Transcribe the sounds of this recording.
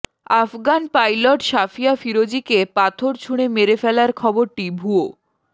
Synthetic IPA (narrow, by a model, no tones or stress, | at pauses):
afɡanpajloʈʃafiafiɾod͡ʑikepat̪ʰoɾt͡ɕʰuɽemeɾefɛlaɾkʰɔboɾʈibʱuo